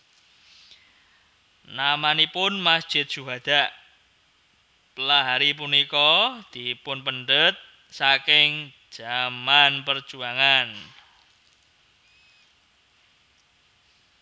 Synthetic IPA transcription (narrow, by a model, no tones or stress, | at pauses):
namanipʊnmasd̥ʒ̥ɪt̪̚ʒ̥uɦad̪̥aʔ | pəlaɦaɾip̬unikɔd̪̥ipʊnpəɳɖət̪̚ | sakɪŋ̥ | ʒ̥amanpər̥d͡ʒ̥uaŋan